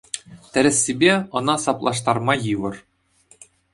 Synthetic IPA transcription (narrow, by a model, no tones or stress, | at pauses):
t̪ʲɘ̆ɾʲɘ̆sʲːibʲeɤ̆nɑsɑplˠɑ̰ʂt̪ɑrmɑjɯʋɤ̆r